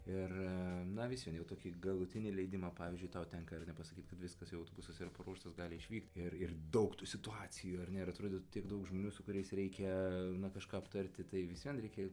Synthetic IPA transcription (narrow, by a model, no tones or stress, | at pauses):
ɪrnɐʋʲɪsʲiɛnjɛʊt̪oːkʲiɡɐlˠʊt̪ʲɪnʲɪlʲɛɪd̪ʲɪmɑːpɑːʋʲizʲd͡ʒʲʊɪt̪ɑːt̪ʲɛŋkɐɪrnʲɛpɐsɐkʲiːt̪kɐt̪ʋʲɪskɐsjɛʊɐʊt̪obʊsɐsɪɾɐpɐɾoːʃt̪ɐsɡɑːlʲɪɪʃʲʋʲiːkt̪ʲɪrɪrd̪ɐʊkt̪uːsʲɪt̪uɑːt͡sʲɪjuːɐrnʲɛɪɾɐt̪ɾoːd̪ʲɪtʲiɛɡd̪ɐʊkʒmoːnʲuːsʊkʊɾʲɛɪsɾʲɛɪkʲɛnɐkɐʃkɑːɐpt̪ɐrʲt̪ʲɪt̪ɐɪʋʲɪsʲʋʲiɛnɾɛɪkʲɛ